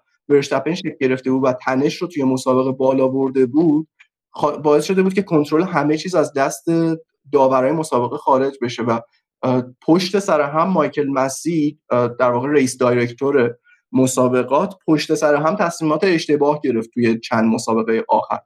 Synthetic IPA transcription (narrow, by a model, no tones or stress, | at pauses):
veɾʃt̪ʰæpʰenʃecʰlɟe̞ɾe̞ft̪e̞buːd̪væt̪ʰæne̞ʃɾot̪ʰuje̞mosɒːbe̞ɣe̞bɒːlɒːboɾd̪e̞buːd̪̥̚ | xbɒːe̞sʃo̞d̪ebuːd̪cʰe̞kʰo̞nt̪ʰɾo̞leɦæme̞t͡ʃʰiːzæzd̪æst̪e̞ | d̪ɒːvæɾɒːjemosɒːbe̞ɣexɒːɾe̞d͡ʒbe̞ʃe̞væ | pʰoʃt̪e̞sæɾeɦæmːɒjcʰe̞lmæsid̪̥æɾvɒːɣe̞ɾeiːsd̪ɒjɾe̞ct̪ʰoɾe̞ | mosɒːbe̞ɣɒːt̪ʰpʰo̞ʃt̪e̞sæɾeɦæmt̪ʰæsmimɒːt̪ʰe̞eʃt̪e̞bɒːhɟe̞ɾe̞ft̪ʰːuje̞t͡ʃʰænd̪mosɒːbe̞ɣejeʔɒːxæ̰ɾ